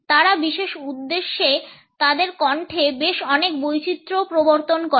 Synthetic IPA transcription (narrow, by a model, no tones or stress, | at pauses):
t̪aɾabiʃeʃud̪ːeʃːe | t̪ad̪eɾkɔɳʈʰebeʃɔnekbojt͡ɕit̪ːɾopɾoboɾt̪onko